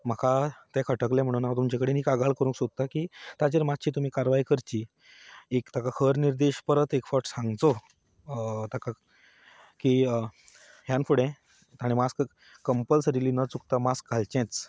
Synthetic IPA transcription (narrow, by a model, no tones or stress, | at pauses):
məkʰat̪ɛ̃kʰəʈəklɛ̃m̤əɽ̃uːnat̪̬umt͡ɕekəɽeniːkaɡaɭkəɾũŋksod̪̚t̪akiːt̪at͡ɕeɾmat̪t͡ɕiːt̪um̤iːkaɾʋaijkəɾt͡ɕiː | ekt̪ʰakakʰəɾniɾd̪eɕpəɾət̪ekfaʈsãŋɡt͡so | t̪aka | kiː | ɦjanfuɽɛ̃ | t̪aɽ̃imask | kəmpəlsɾiliːnət͡suk̚t̪amaskɡʱalt͡ɕɛ̃t͡s